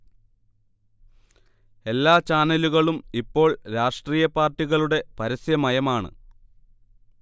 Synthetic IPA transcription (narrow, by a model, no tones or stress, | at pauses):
e̞lːaːt͡ɕaːnɐluɣɐɭumipːo̞ːɭɾaːʂʈriːjɐpaːrʈːiɣɐɭuɽe̞pɐɾɐsjɐmɐjɐmaːɳɨ̰